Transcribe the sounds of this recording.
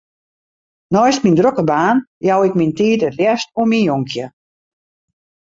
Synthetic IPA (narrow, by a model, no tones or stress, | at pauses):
nɔjstmindrokəbaːnjawɪkmintiːtətrjɛstuminjoŋkʰjə